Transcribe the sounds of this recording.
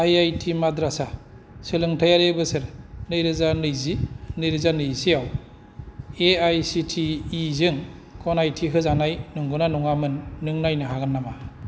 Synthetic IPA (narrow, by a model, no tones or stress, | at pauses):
ajajtʰimadɾasa | sɯlɯŋtʰajaɾebɯsɯɾnɯjɾɯzanɯjzinɯjɾɯzanɯjsijaw | eajsitʰiːzɯŋ | kʰɔnajtʰiɦɯzanajnuŋɡunanuŋamɯnːɯŋnajnɯɦaɡanːama